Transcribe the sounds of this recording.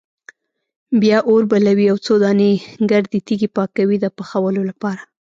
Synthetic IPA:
bjɑʔoɾbalawiawt͡sod̪ɑneɡaɾd̪it̪iɡepɑkawid̪əpaxawəlolapɑɾa

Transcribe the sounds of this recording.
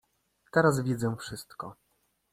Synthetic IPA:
t̪ɛɾazvʲjɛzɛfʂɘst̪kɔ

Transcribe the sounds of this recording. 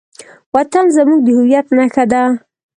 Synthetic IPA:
wat̪anzamuɡ̚d̪əhʊwjat̪naxad̪a

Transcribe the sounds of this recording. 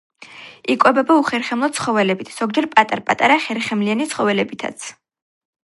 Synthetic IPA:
ikʼwɛbɛbauχɛɾχɛmlˠɔt̪sχɔvɛlɛbit̪ʰz̥ɔɡd͡ʒɛɾpʼat̪ʼaɾpʼat̪ʼaɾaχɛɾχɛmlianit̪sχɔvɛlɛbit̪ʰa̰t̪sʰ

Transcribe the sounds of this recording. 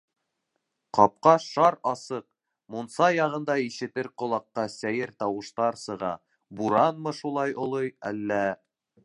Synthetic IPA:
qɑp̚qɑʃɑɾɑsɤq | munsɑjɑʁɤ̆nd̪ɑiʃɘ̆t̪ɘɾqŏlˠɑqːɑsæjɘɾt̪ɑwɤ̆ʃt̪ɑɾsɤ̆ʁɑ̰ | buɾɑnmɤʃulˠɑjŏlˠɤjæ̰lːæ

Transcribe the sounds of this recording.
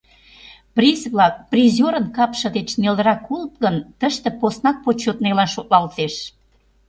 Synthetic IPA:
prʲisβlɑk̚prizʲoɾənkɑpʃə̆d̪et͡ɕneld̪əɾɑkult̪̚kənt̪əʃt̪ĕposnɑk̚pot͡ɕːot̪nelɑnʃoʔlɑlt̪eʃ

